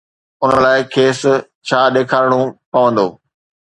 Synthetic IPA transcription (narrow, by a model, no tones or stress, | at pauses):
ʊnəlaːɪkʰeːs | t͡ɕʰaːɗeːkʰaːɾɽ̃ũpɐʋə̃nd̪oː